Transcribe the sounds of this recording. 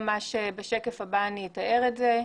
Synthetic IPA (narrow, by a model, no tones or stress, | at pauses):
maʃebeʃekefabaːnietaeʁetze